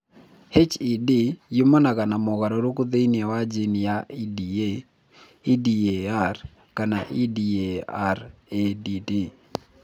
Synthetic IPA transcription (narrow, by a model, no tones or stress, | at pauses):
het͡ʃidɪjumanakanamɔkaɾɔɾokud̪einɛwad͡ʒɪnjaidie | idiear | kanaʔidieaɾedidi